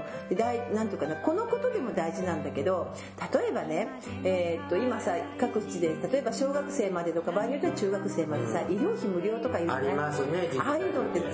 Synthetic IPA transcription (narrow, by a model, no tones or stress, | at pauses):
d̪̥e̞d̪ainãnt̪oɯkanako̞no̞ko̞t̪o̞d̪e̞mo̞d̪aiʑinãnd̪ake̞d̪o̞ | t̪at̪o̞e̞bane̞ | eːt̪ːo̞imasakakɯ̟i̥t͡ɕid̪e̞t̪at̪o̞e̞baɕo̞ːɡakɯ̟̥se̞ːmad̪e̞t̪o̞kabaiɲijot̪ːaɾat͡ɕɨːɡakɯ̟se̞ːmad̪esaʔiɾʲo̞ːçimɯ̟ɾʲo̞ːt̪o̞kaiɯːɾimasneaɾɯnot̪ːe